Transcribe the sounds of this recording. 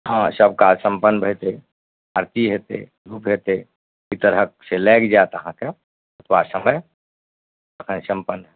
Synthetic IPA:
ɦãsəb̚kasə̃mpənːbʱəjt̪e | əɾt̪iɦet̪ḛ | ɾuːpɦet̪e | it̪əɾək̚selɛːkd͡ʒat̪əɦãke | ət̪ʰwasəməj | əkʰənsə̃mpənɦɛ

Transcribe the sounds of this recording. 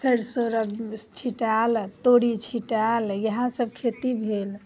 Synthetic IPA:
səɽsoɾəbt͡ʃʰiʈalt̪oɽit͡ʃʰiʈaljəɦãsəbkʰet̪ibʱel

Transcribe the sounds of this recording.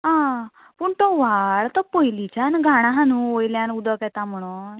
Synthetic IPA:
ɦã | puɳt̪ɔʋaɭt̪ɔpojlit͡ɕanɡʱaɽ̃ãɦanũojljãnud̪əkjɛt̪ãm̤əɽ̃u

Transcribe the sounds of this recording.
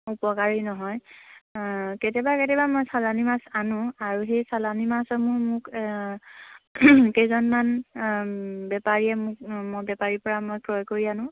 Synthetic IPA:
upɔkaɹinɔɦɔj | ketɛbaketɛbamɔjsalanimasanʊ̃aɹuɦejsalanimasɔmʊɹmʊk | kejzɔnman | bɛpaɹiɛmʊk̚mɔbɛpaɹipɔɹamojkɹɔjkoɹianʊ̃

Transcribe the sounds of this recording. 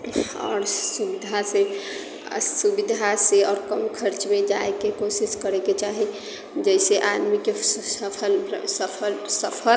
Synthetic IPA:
ɔ̰ɾsubid̪ʱase | subid̪ʱaseɔːɾkənkʰəɾt͡ʃmed͡ʒaekekosiskəɾeket͡ʃaɦi | d͡ʒəɪseʔad̪mikesəpʰəlsəpʰəlsəpʰəl

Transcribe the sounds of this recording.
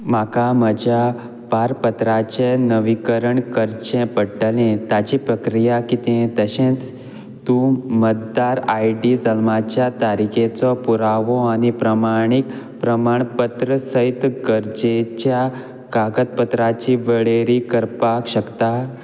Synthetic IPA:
makaməd͡ʑja | paɾpət̪ɾat͡ɕenəʋikəɾəɳkəɾt͡ɕẽpəʈəlẽt̪at͡ɕipɾəkɾijakit̪ẽt̪əɕẽt͡s | t̪ũmət̪̚d̪aɾajɖid͡zəlmat͡ɕjat̪aɾikʰẽt͡sɔpuɾaʋɔañipɾəmaɽ̃ik | pɾəmaɳpət̪ɾəsəit̪ɡəɾd͡ʑet͡ɕja | kaɡət̪̚pət̪ɾat͡ɕiʋəɭeɾikəɾpakɕəkt̪a

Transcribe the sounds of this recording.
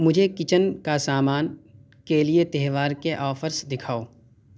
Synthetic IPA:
mʊd͡ʒʱekɪt͡ʃənkasaːmaːn | keliet̪ɛɦʋaːɾkeʔɔːfʰəɾsd̪ɪkʰaːoː

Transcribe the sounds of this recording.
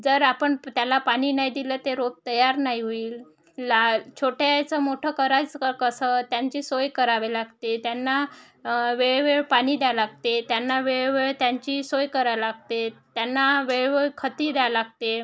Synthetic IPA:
d͡zəɾapəɳt̪jalapaɽ̃iːnajd̪ilət̪eɾob̚t̪əjaɾnajɦoiːl | lat͡ɕʰoʈjat͡səmoʈʰəːkəɾat͡səkəsət̪jaɲt͡ɕiːsojkəɾaʋelaɡt̪et̪janːa | ʋeɭʋeɭpaɽ̃iːd̪jalaɡ̚t̪et̪janːaʋeɭʋeɭt̪jaɲt͡ɕiːsojkəɾalaɡt̪et̪janːaʋeɭʋeɭkʰət̪iːd̪jalaɡt̪e

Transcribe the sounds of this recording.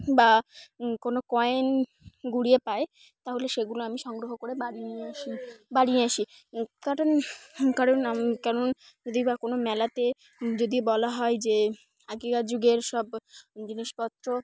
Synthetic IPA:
bakonokɔen | ɡuɽiepae | t̪aɦoleʃeɡuloamiʃɔŋɡɾoɦokoɾebaɽinieaʃibaɽieaʃi | kaɾonkaɾonakaɾon | d͡ʑod̪ibakonomɛlat̪e | d͡ʑod̪ibɔlaɦɔed͡ʑe | aɡiɡad͡ʑuɡeɾʃɔbd͡ʑiniʃpɔt̪ːɾo

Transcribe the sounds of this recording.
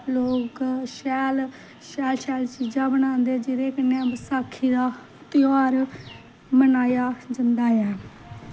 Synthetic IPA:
loːkʃɛːl | ʃɛːlʃɛːlt͡ʃiːd͡ʒãːbənãːnd̪eːd͡ʒɪɾeːkənːeãːbəsaːkʰːiːd̪aː | t̪ɪaːɾ | mənaːjaːd͡ʒɪnd̪aːjɛː

